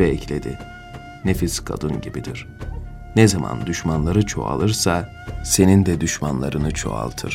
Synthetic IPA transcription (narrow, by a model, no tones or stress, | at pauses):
ɛclʲe̞d̪ḭ | nefiskʰa̰d̪ɯnɟibid̪iɾ̥ | nɛzama̰nd̪yʃmanlˠaɾɯt͡ʃʰo̞̰a̰lˠɯɾsa | se̞nind̪ɛd̪yʃmanlˠa̰ɾɯnɯt͡ʃʰo̞̰a̰lˠt̪ʰɯɾ̥